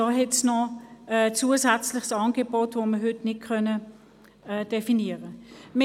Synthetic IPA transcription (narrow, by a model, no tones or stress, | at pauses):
ɔɦɛtt͡snɔɛt͡suːəzɛt͡slɪχsɑnɡebotvoməɦʏtnɪt̚kʰœnə | ɛd̥efiniəʁəmɪ